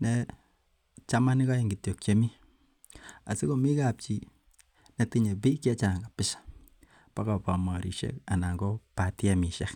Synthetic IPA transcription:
nɛ | t͡ʃa˦ma˦ni˦ka˦jiŋɡi˨tjo˨k̚t͡ʃe˦mi˦ | a̰˨si˦ko˦mi˦kap̚t͡ʃi˨ | ne˨ti˦ɲe˨pi˦kja˦t͡ʃa˨ŋɡa˨pɪ˦sḁ | pa˦kapa˨ma˨ɾi˨ʃḛ˦ka˨na˨ŋɡɔ˦patjami˨ʃa˦k

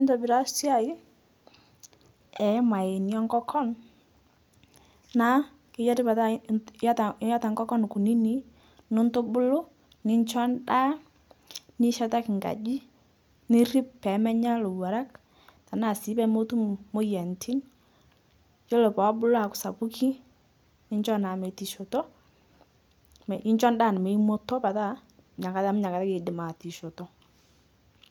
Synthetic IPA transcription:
ntɔ˨bi˨ɾa˦sja˦˨i˦ | ɛ˨˦ma˨e˨njɔ˦ŋɡɔ˦kʰɔ˦n | na˦ | kɪ˨˦jɔ˦tɪ˦pa˨tajtja˦ta˨ŋɡɔ˦kɔ˦nku˨ni˦ni˨˦ | no˦nto˦bʊ˦lo˦ | ni˦nt͡ʃɔ˦nda˦ | ni˦ʃa˦ta˦kŋɡa̰˨d͡ʒi˦ | nɪ˦ɾi˦ppɛ˨˦mɛ˦ɲa˦lo˨wa˨ɾa˦k | ta˨na˦˨si˨˦pɛ˦mo˦tu˦mo˦jɛ˨ntʰi˦n | jo˦lo˨pɔ˨˦bʊ˦lo˦a˨kʊ̥˨sa˨bu˦ki˦ | nɪ˦ɲt͡ʃɔ˦na˨me˨ti˨ʃo˨tɔ˦ | m˨ɪ˦ɲt͡ʃɔ˦nda˦˨nɪ˨me˨˦i˦mo˦tɔ˦pa˨ta˦˨ | ɲa˨ka˨ta˦mʊ˦ɲa˨ka˨ta˦keː˨dɪ˨ma˨ti˨ʃo˨tɔ˨˦

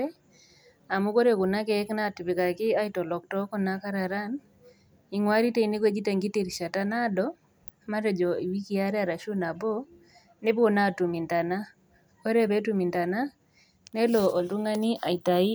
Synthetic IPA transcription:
ɛ˦ | a˨mu˦ko˦ɾe˦˨kʊ˨na˦kɛ˦kna˦˨ti˨bi˨ka˨kɪ˦a˦i˨tɔ˨lɔ˨k̚tɔ˦kɔ˦na˦ka˦ɾa˨ɾa˦n | i˨ŋwa˦ɾi˦te˦i˨ni˦ɡwe˦d͡ʒi˦ta˨ŋɡi˦te˨ɾi˨ʃa˨ta˦na˦dɔ˦ | ma˦ɾɛ˨d͡ʒɔ˨i˨wi˦ki˦a˦ɾɛ˦a˨ɾa˨ʃu˦na˨bɔ˦ | ne˦bo˦na˦˨tu˨mi˨nta˨na˦ | ko˦ɾe˦be˦tu˦mi˨nta˨na˦ | nɛ˦lɔ˨ʔo˨ltu˦ŋa˦ni˦ʔa˨i˨ta˨i˦

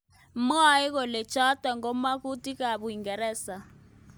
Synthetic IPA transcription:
m˦a˦i˦k̬ɔ˨lɛ̥˨t͡ʃʰa˦d̥ʱa˨ŋɡɔ˨˦ma˦ku˦tʼi˦k̬a˨ɓu˨i˨ŋɡɛ˨ɾɛː˦sa˨

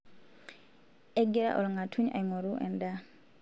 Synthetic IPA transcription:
ɛ˦ɡɛɾa̰˦ʔɔ̰˨lŋa˨tʰuɲa̰˨jŋɔ˨ɾuʔɛ̰˨nda

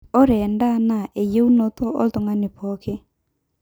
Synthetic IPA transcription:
o˦ɾɛ˨nda˦na˨ʔe˨je˦u˦no˦tɔ˦ʔo̰˦to˨ŋɡa˦nɪ˨pɔ˦ke˦

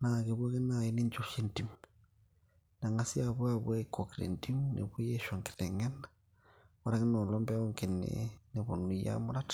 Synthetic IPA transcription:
na˨ɣe˨βo˦ɣe˦na˨i˦ni˦nd͡ʒo˨ʃe˦nti˨m | na˨ŋa˦si˦a˨βwa˦βwe˦ko˨kiɾḛ˨nti˦mnʔḛ˨βe˦je˦ʃa˨ŋki̥˨ɾe˨ŋɛ˦na | βa˦ɾa˦ɣe˦no˨lɔ˦mbo˦ŋke˨nḛne˨βo˨nu˨ja̰˦mo˦ɾa˦tḁ

